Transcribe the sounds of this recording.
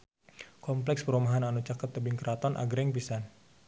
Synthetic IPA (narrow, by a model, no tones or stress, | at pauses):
kɔmplɛkspəɾumaɦananut͡ʃakət̪ːəbɪŋkəɾat̪ɔnʔa̰ɡɾɛŋpisan